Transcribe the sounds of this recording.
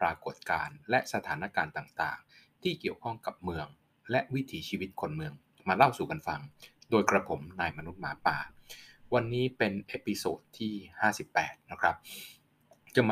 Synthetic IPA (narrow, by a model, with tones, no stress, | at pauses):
pɾaː˧ko˨˩t̪̚kaː˧nlɛ˦˥ʔsa˧t̪ʰaː˩˦na˦˥kaː˧nt̪aː˨˩ŋt̪a̰ː˨˩ŋt̪ʰiː˥˩ki˨˩əwkʰɔ˥˩ŋka˨˩p̚mɯ˧əŋ | lɛ˦˥ʔwi˦˥t̪ʰiː˩˦t͡ɕʰiː˧wi˦˥t̪̚kʰo˧nmɯ˧əŋ | maː˧la˥˩wsuː˨˩ka˧nfa˧ŋdoː˧jkɾa˧pʰo˩˦mnaː˧jma˧nu˦˥t̪̚maː˩˦paː˨˩wa˧nːiː˦˥pe˧nʔe˦˥pi˧soː˨˩t̪ʰːiː˥˩haː˥˩si˨˩pːɛː˨˩t̪̚na˦˥kʰɾa˦˥p̚ | t͡ɕa˨˧˩m˧